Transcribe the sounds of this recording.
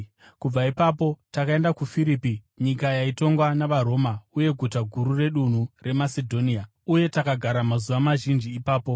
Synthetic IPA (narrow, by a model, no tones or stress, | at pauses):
kub͡vaipapo̞takae̞ndakufiɾiːpi | ɲikajaito̞ŋɡwanaʋaɾo̞ːmauje̞ɡʱutaɡʱuɾure̞ɗun̤ure̞masedʱo̞nia | uje̞takaɡʱaɾamazuʋamaʒind͡ʒiːpaːpo̞